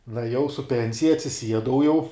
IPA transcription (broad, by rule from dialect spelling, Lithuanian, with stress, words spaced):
nʊɛˈjɛʊ sʊ ˈpʲɛnʲsʲɪjɛ ɐtʲsʲɪˈsʲiɛdɐʊ jɛʊ